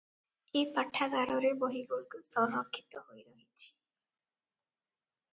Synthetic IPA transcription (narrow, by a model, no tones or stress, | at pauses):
epaʈʰːaɡaɾɔɾeboɦiɡoɭkusɔnɔkʰːit̪ɔɦojɾɔɦit͡ʃʰi̥